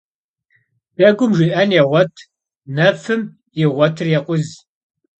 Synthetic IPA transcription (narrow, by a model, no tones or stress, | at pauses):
b̥ɐɡʷʊmʒiʔɐnjɛʁʷɔtʰ | nɐfɨm | jɪʁʷɔtʰɨrjɛqʷʼʊz